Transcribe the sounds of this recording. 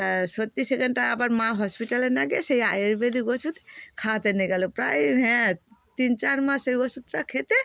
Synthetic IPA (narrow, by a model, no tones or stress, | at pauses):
sɔt̪iseɡɛnʈaːbaɾmaɦɔspiʈalɛnaɡɛsejajeɾbed̪iɡɔt͡ʃʰut̪kʰat̪ɛnɛɡalupɾajmɦɛ̃t̪int͡ʃaɾmasejɡɔsut̪ɾakʰet̪ɛ